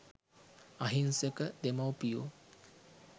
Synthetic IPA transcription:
aɦinsəkəd̪emawpijo

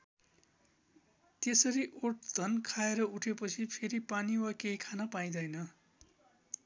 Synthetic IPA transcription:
t̪esʌɾiʔoʈ̚d̪ʱʌnkʰaeɾʌuʈʰepʌt͡sʰipʰeɾipaniwakejkʰanʌpaj̃d̪ʌjnʌ

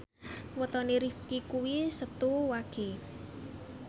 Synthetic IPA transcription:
wɔt̪ɔneɾifkikuwisət̪uwaɡ̥e

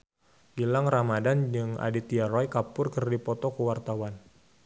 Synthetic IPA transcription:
ɡ̥ilaŋramadand͡ʒɨŋa̰dit̪iaɾɔjkapʊrkərdipɔt̪ɔkəwart̪awan

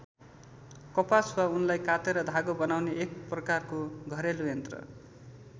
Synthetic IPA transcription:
kʌpaswaunlajkat̪eɾʌd̪ʱaɡobʌnawneʔek̚prʌkarkoɡʱʌɾelujent̪rʌ̰

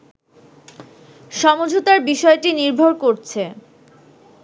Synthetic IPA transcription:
ʃɔmod͡ʑʱot̪aɾbiʃɔeʈiniɾbʱoɾkoɾt͡ɕʰe

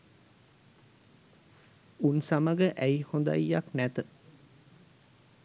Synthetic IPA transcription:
unsaməɡəʔæjhond̪a̰jːa̰knæt̪ə

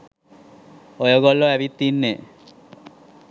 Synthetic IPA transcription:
ɔjoɡɔlːoɛbit̪ːinːe

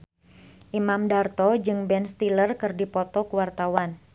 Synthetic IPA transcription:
ʔimamdart̪ɔd͡ʒɨŋbɛnst̪ilərkɨrdipɔt̪ɔkuwart̪awan

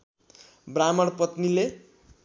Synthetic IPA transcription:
bramʌrpʌt̪nile

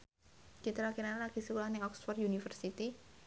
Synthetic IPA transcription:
t͡ʃit̪ɾakinanalaɡ̥isikulahnɪŋɔksfɔrjunifərsit̪i

